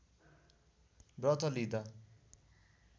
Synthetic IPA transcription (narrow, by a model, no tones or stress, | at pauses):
brʌt̪ʰʌlid̪ʌ